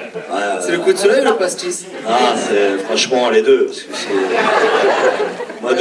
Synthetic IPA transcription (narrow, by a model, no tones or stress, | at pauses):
wɛsɛləkud̪əsɔlɛjlɑ̃past̪is | asɛfχɑ̃ʃmɑ̃led̪øpaʁskəsɛ | mad̪